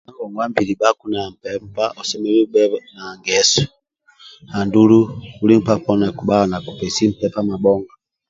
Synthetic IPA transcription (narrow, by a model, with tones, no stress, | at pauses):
na˦ɡɔ˨ŋɡwa˦mbi˨li˨ba˦ku˦na˨m̩˨pɛ˦mpa˦ʔɔ˨sɛ˦mɛ˦li˦bɛ˦na˨ŋɡɛ˨sɔ̥˨ | ha˨ndu˦lu˦u˦li˦m̩˦pa˦pɔ˦na˨ku˨ba˦ɔ˨na˨ku˨pɛ˨si˦m̩˦pɛpa˦ma˨bɔ˦ŋɡa